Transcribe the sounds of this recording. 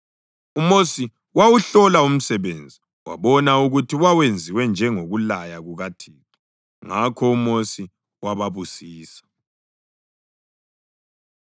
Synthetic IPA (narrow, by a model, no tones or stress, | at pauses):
umosi | wawuɬɔlaum̩sɛβend͡zʱi | wa̰βɔnauɣutʰiwawend͡zʱiwɛnd͡ʒʱɛŋoɣulajaɣuɣatʰiːtʰi̥ | ŋakʰɔumosi | waβaβusiːsḁ